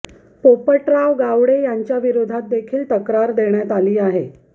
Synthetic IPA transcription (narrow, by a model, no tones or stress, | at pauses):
popəʈɾaʋɡaʋɽejaɲt͡ɕjaʋiɾod̪ʱat̪̚d̪ekʰiːlt̪əkɾaɾd̪eɳjat̪aliːaɦe